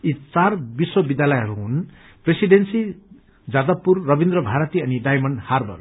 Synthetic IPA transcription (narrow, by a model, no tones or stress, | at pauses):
it͡sarbiswʌbid̪jalʌjɦʌɾuɦun | presiɖensi | d͡zad̪ʌpːurːʌbind̪ɾʌbʱaɾʌt̪iʌniɖajmʌɳɖharbʌ̰r